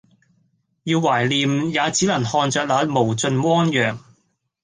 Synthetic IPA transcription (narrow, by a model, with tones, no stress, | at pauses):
jiː˧wːaː˨˩jliː˨mjaː˨˧t͡siː˨˥lɐ˨˩nhɔː˧nt͡sœː˧k̚laː˨˧mo˨˩wt͡sɵ˧nwɔː˥ŋjœː˨ŋ